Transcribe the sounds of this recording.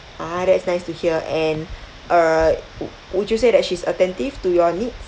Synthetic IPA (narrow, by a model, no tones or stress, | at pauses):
ʔadɛtsnaɪstuhiəʔɛ̃n | ʔə | wit͡ʃjusedɛt̚ʃisətɛ̃ntiftujɔnits